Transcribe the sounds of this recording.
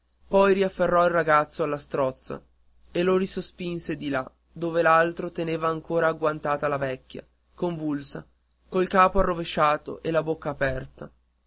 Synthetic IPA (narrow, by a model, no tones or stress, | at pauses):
pɔjɾiafːerːɔilraɡat̪sːoalːast̪ɾɔt̪sːa̰ | eloɾisospinsed̪ila | d̪oːvelalt̪ɾot̪eneːvaːŋkoːɾaːɡwant̪aːt̪alavɛkʲːja̰ | koɱvulsa | koilkaːpoarːoveʃːaːt̪o̰ʔelːabokːaːpɛrt̪a